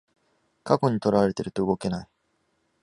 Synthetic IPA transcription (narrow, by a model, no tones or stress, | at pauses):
kako̞ɲ̟it̪o̞ɾaβaɾe̞t̪eɾɯ̟t̪o̞ɯ̟ɡo̞ke̞nai